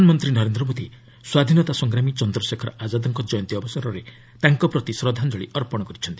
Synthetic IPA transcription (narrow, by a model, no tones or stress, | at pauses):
anɔmɔnt̪ɾinɔɾend̪ɾɔbod̪i | swad̪ʱinɔt̪asɔŋɡɾamit͡ʃɔnd̪ɾɔsekʰɔɾɔad͡ʒad̪ɔŋkɔd͡ʒɔjɔnt̪iɔbɔsɔɾɔɾe | t̪aŋkɔpɾɔt̪isɾɔd̪ʱand͡ʒɔɭḭʔɔɾpɔɽ̃ɔkɔɾit͡ʃʰɔnt̪i